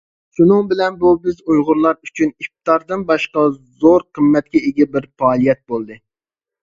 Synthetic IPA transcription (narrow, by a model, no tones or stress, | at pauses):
ʃunɨŋbɪlɛnbubɪzujʁʊɾlˠɑɾyt͡ʃʰynif̚t̪ɑɾd̪ɨnbɑʃqɑzoɾqʰəmːɛt̪̚kʲɛeɡʲɛbɪɾfɑːlˠijɛt̪̚bolˠd̪ɨ